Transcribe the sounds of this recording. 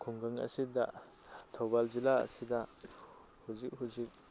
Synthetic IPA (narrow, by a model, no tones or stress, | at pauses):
kʰuŋɡaŋɐ̰sidɐ | tʰowbald͡ʒilaɐ̰sidɐ | huzik̚ɦuzik̚